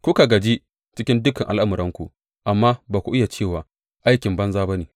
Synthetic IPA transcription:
kʷu˦ka˨ɡɐ˨d͡ʒi˦ | t͡ʃɪ˦kʲɪ˦ndʊ˦kɐ˨ŋʔa̰˨lʔa˦mɐ˨ɾʔɐ˦ŋkʷu˨ | ʔa˨mːaː˦baː˨kʷu˨ʔɪ˦ja˨t͡ʃeː˦˨waː˨ | ʔa˦jkʲɪ˨mbɐ˦nzaː˦ba˦neː˨

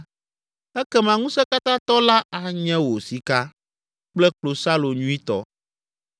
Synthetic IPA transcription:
ɛ˦kɛ˦mã˨ŋũ˦sɛ˦ka˦t̪ã˦t̪ɔ˦la˦a˨ɲɛ̃˦wo˨si˨ka˦ | k͡plɛ˦k͡plo˨sa˦lo˨ɲũ˦i˦t̪ɔ̰˦

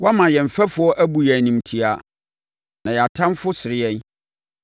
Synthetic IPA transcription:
wɔ˦mã˨jɛ˨m̩˨fɛ˦fʊ˨˦ɔ˦ʔæ˦bu˨jæ˨nĩ˨m˨tʰi˨a˨ | nã˨jɛ˨a˨tʰã˦mfʊ˦sɪ˨ɾɪ˦jɛ̃˦n

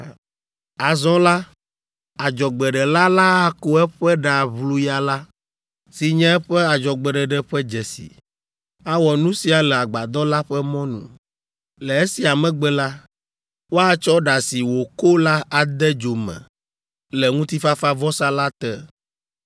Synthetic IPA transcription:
a˨zɔ̃˦la˦ | a˨d͡ʒɔ˨ɡ͡bɛ˨ɖɛ˨la˦la˦a˦ko˦ɛ˦ɸɛ˦ɖa˨βlu˦ja˦la˦ | si˨ɲɛ̃˦ɛ˦ɸɛ˦a˨d͡ʒɔ˨ɡ͡bɛ˨ɖɛ˨ɖɛ˦ɸɛ˦d͡ʒɛ˨sḭ˨ | a˦wɔ˨nũ˦si˨a˨lɛ˨a˨ɡ͡ba˨d̪ɔ˦la˦ɸɛ˦mɔ̃˦nṵ̃˨ | lɛ˨e˦si˨a˨mɛ̃˦ɡ͡bɛ˨la˦ | wo˦a˦t͡ʃɔ˦ɖa˨si˨wo˨ko˦la˦a˨d̪ɛ˦d͡ʒo˨mɛ̰̃˨ | lɛ˨ŋũ˦t̪i˦fa˦fa˦vɔ˦sa˦la˦t̪ɛ˦

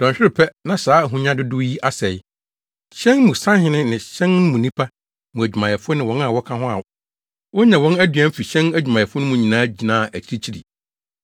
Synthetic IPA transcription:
d̥ɔ̃˨ɲ˨ɕᶣɪ˦ɾɪ˨pʰɛ˦nã˨saː˨˦˨ɦũ˨ɲã˦dɪ˦dʊ˦ji˦ʔa˦sɛ˨j | ɕɛ̃˦nmũ˨sã˦hɪ̃˦nɪ̃˦nɪ̃˨ɕɛ̃˦ñ˦mũ˨nĩ˦pʰa˦ | mũ˨æ˨d͡ʑᶣu˨mã˨jɛ˨fʊ˦ʊ˦nɪ̃˨wɔ̃˦n˦a˨wɔ˦kʰã˦ɦʊ̃˦a̰˨ | wɔ˦ɲã˨wɔ̃˦næ˦dɥæ˦fi˨ɕɛ̃˦næ˨d͡ʑᶣu˨mã˨jɛ˨fʊ˦nʊ̃˦mũ˦ɲĩ˨nãː˦d͡ʑi˨nãː˦˨ʔæ˨t͡ɕʰi˦ɾi˦t͡ɕʰi˦ɾḭ˨

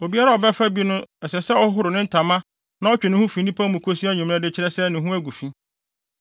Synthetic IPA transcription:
o˨bi˦a˦ɾa˦ɔ˨bɛ˦fa˦bi˦nʊ̃˦ɛ˨sɛ˨sɛ˦ɔ˦hʊ˦ɦʊ˦ɾʊ˨nɪ̃˦n̩˦tʰã˨mã˦ | nã˦ɔ˦t͡ɕᶣɪ˨nʊ̃˦hũ˦fĩ˨nĩ˦pʰã˦mũ˨kʰo˦si˦a˦ɲĩ˨m̃˦ã˦dɪ˦t͡ɕʰɪ˦ɾɛ˦sɛ˦nɪ̃˨ɦũ˦æ˦ɡu˨fi˦

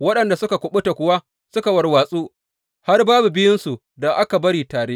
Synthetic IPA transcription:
wɐ˦ɗɐ˨nda˨sʊ˦ka˨kʷʊ˨ɓʊ˦ta˨kʷʊ˨wa˦ | sʊ˦ka˨wɐ˨rwaː˨sʼuː˦ | ha˦rbaː˦bu˨bɪ˦jɪ˦nsu˨ | da˨ʔa˦ka˨bɐ˦ɽiː˨taː˨ɽeː˦

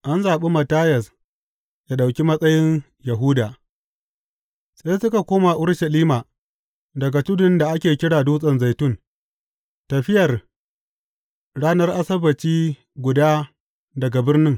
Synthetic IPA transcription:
ʔa˦nzaː˨ɓe˦mɐ˨taː˦jɐ˨s | jaː˦ɗa˨wkʲi˦mɐ˦sʼɐ˦jɪ˦n | jɐ˨ɦʊ˦daː˨ | sʼa˦jsʊ˦ka˨kʷoː˦ma˨ʔʊ˦ɽʃɐ˨liː˦maː˨ | dɐ˨ɡa˨tʊ˦dʊ˨nda˨ʔa˦kʲeː˨kʲɪ˦ɽaː˨duː˦sʼɐ˨nza˨jtʊ˦n | tɐ˨ɸɪ˦jɐ˨r | ɽaː˦nɐ˦rʔa˦sɐ˦bɐ˨t͡ʃiː˦ | ɡʷʊ˨daː˦ | dɐ˨ɡa˨bɪ˦rnɪ˦ŋ

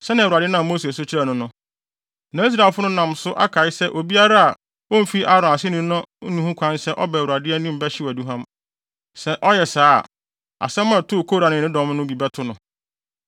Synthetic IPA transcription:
sɛ˦nã˨wa˨dɪ˦nã˦˨mo˦se˨s̬ʊ˦t͡ɕʰɪ˦ɾa˨nʊ̃˦nʊ̃˦ | nã˨˦i˦s̬ɾa˨lfʊ˦nʊ̃˦nã˨msʊ˦ʔa̰˦kʰa˨ɪ˦sɛ˦ʔo˨bi˦a˦ɾa˦a˨ | wõ˦m̩˦fi˦ʔa˦ɾʊ̃˨a˨sɪ˦nũ˦nʊ̃˦nũ˨hũ˦kʷʰã˦nsɛ˦ʔɔ˦bɛ˨wu˨a˨dɪ˦æ˦nĩ˦m̩˨bɛ˦ɕɪ˦wæ˨du˦ɦã˦m | sɛ˦ʔɔ˦jɛ˨saː˦a̰˨ | a̰˨sɛ̃˦mã˦˨tʰʊ˦˨kʰoː˦ɾa˨nɪ̃˨nɪ̃˦dɔ̃˨˦m˦nʊ̃˦bi˨bɛ˦tʰʊ˦nʊ̃˨

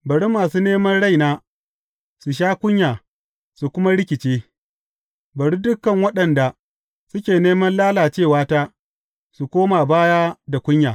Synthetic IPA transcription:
bɐ˨ɽu˦maː˨suː˦neː˦mɐ˦nɽa˦˨jnaː˦ | su˨ʃ̬aː˦kʷʊ˦ɲjaː˨ | su˨kʷʊ˦ma˦ɽɪ˦kʲɪ˨t͡ʃeː˦ | bɐ˨ɽi˦dʊ˦kːɐ˨ŋwɐ˦ɗɐ˨nda˨ | sʊ˦kʲeː˨neː˦mɐ˦nlaː˦laː˨t͡ʃeː˦˨waː˦taː˦ | su˨kʷoː˦ma˨baː˦jaː˦da˨kʷʊ˦ɲjaː˨

